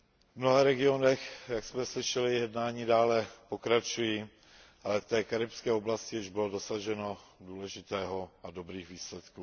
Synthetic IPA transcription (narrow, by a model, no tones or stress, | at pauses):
vmnoɦaɾɛɡɪonɛxjaksmɛslɪʃɛlɪjɛdnaːɲiːdaːlɛpokɾat͡ʃujiː | ʔalɛft̪ɛːkaɾɪpskɛːoblascɪjɪʒbɪlodosaʒɛno̞duːlɛʒɪt̪ɛːɦo̞ado̞bɾiːɣviːslɛt̪kuː